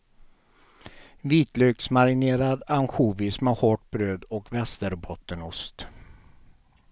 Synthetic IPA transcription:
viːt̪løːksmaɾɪneːɾad̪anɧuːvɪsmɛhɔʈ̚bɾøːd̪ɔkvɛst̪əɾbʰɔt̪ːənʊst̪

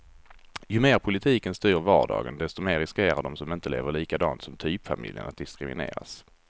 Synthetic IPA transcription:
jɵmeːɾpʰʊlɪt̪ʰiːkənst̪yːɾvɑːɖɑ̰ːɡənd̪ɛst̪ɔmeːɾːɪskeːɾaɖɔmsɔmɪnt̪əlḛːvəɭiːkad̪ɑ̰ːnt̪sɔmt̪ʰyːpfamɪ̰ljə̰nʔat̪̚d̪ɪskɾɪmɪ̰nḛːɾa̰s

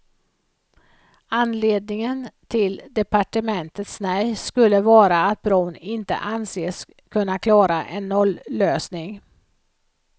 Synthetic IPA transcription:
anːleːd̪̚nɪŋənt̪ʰɪld̪ɛpaʈəmɛnt̪ət̪snɛjskɵlːəvɑːɾaːt̪̚bɾɔːnɪnt̪ə̰ʔanseːs | kʰɵnːakʰlɑːɾaʔɛnːɔlːøːsnɪŋ

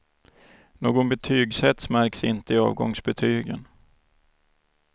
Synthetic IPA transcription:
noːɡɔnbɛt̪ʰyːɡsɛt̪smæɾksɪ̰nt̪əɪɑ̰ːvɡɔŋsbɛt̪ʰyːɡə̰n

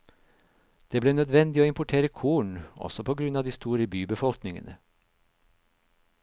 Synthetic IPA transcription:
d̪̥eːbleːnœd̪ʋɛnd̪ɪoːɪmpʊʈʰeːɾəkʰuːɳɔ̰sɔpʰoːɡɾʉnɑːʋd̪iːst̪uːɾəbyːbəfɔlknɪŋə̰nə̰

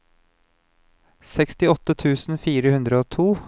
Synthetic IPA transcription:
sɛkst̪ɪɔt̪ət̪ʰʉːsn̩fiːɾəhʉnd̪ɾəoːt̪ʰuː

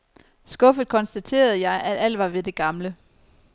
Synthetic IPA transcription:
sɡ̥ɔ̽fð̞̩ˠkʰɒ̽nsd̥æt͡sʰe̝̰ːɐð̞̩ˠjɑ̈ɪʔæd̥æl̰ʋɑ̈ʋe̝d̥e̝ɡ̥ɑ̈mlə

